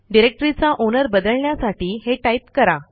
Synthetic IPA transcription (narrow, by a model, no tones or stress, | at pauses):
ɖiɾek̚ʈɾit͡saʔonəɾbəd̪əɭɳjasaʈiːɦeʈajt̪kəɾa